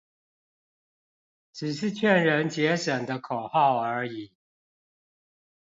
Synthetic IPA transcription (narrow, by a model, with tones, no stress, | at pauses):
ʈ͡ʂɻ̩˨˩ʂɻ̩˥˧t͡ɕʰɥɛ˥˩nɻə˧˥nt͡ɕjɛ˧˥ʂə˨˩nd̪ə˦kʰo˨˩ʊxɑ˥˩ʊə˞˧˥i˨˩˦